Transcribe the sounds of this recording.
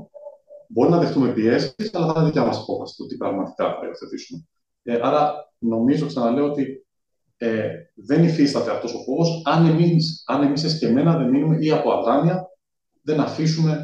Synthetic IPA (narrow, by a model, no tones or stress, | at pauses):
bo̞ɾinɐðe̞xt̪ume̞pie̞sisɐlɐðɐnet̪ecɐmɐsi̥po̞fɐsi̥t̪ot̪ipɾɐɣmɐt̪i̥kɐḛoθe̞t̪isume | ɐɾɐno̞mizo̞ksɐnɐle̞oot̪i | eðe̞nifist̪ɐt̪e̞ɐft̪o̞so̞fo̞vo̞sɐne̞misɐne̞misesceme̞nɐðe̞minumeiɐpoɐɣɐniɐ | ðe̞nɐfisume̞